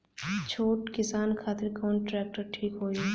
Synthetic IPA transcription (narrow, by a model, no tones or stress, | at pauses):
t͡ʃʰoːʈkɪsaːnkʰaːt̪ɪɾkɔːnʈɾɛːk̚ʈəɾʈʰiːkɦoːi